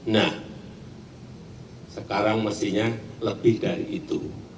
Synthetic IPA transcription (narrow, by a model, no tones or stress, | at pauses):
nah | səkaɾaŋməsiɲaləb̥ɪhd̥aɾḭʔːt̪u